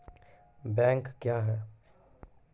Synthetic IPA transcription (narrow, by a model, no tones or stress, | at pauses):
bɛ̃ːŋkːjaːɦɛː